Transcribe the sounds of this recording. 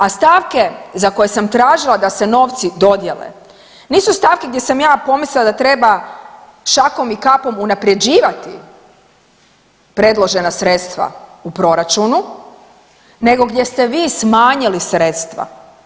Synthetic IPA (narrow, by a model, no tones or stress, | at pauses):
ast̪aːʋke̞zako̞jesamt̪ɾaːʒilˠad̪ase̞no̞ːʋt̪sid̪o̞d̪je̞lḛ | niːsust̪aːʋkeɡd̪je̞samjaːpo̞mislilad̪at̪ɾe̞ba | ʃako̞mikapo̞munapɾe̞d͡ʑiːʋat̪i | pɾe̞d̪lˠo̞ʒe̞nasɾe̞t̪st̪ʋa̰upɾo̞ɾat͡ʃunu | ne̞ɡo̞ɡd̪je̞st̪e̞ʋiːsmaːɲilisɾe̞t̪st̪ʋa̰